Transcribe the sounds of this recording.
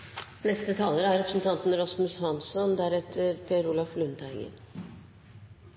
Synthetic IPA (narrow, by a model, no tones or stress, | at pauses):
nɛst̪ət̪ʰɑːləɾəæɾɛpɾəsn̩t̪ʰɑnt̪n̩ɾɔsmʉshɑnsɔnd̪æɾɛt̪ʰəɾpʰeːəɾuːlɑflʉnt̪ʰæɪɡə̰n